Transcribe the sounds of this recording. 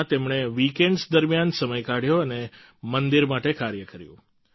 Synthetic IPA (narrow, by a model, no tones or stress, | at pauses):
t̪emɳeʋikeɳɖsd̪əɾmjansəməjkaɽ̤joəne | mənd̪iɾmaʈekaɾjəkəɾjṵ̃